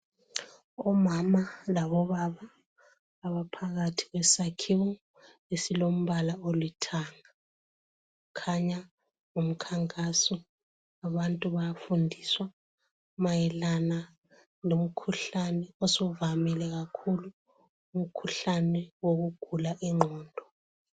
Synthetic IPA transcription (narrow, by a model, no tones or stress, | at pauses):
ɔmamalaβɔβaβaː | βapʰaɣatʰi̥ɣwɛsakʰiwɔ | esilom̩βalaolitʰana | kʰaɲa | ŋum̩kʰaŋkʼasɔ | aβantʼuβajafundʱiswa | majɛlana | lom̩kʰuɬanɛosuvamilɛɣakʰulu | um̩kʰuɬanɛwoɣuɡ̥ʱulaʔiŋ͡ǃʱɔːndʱɔ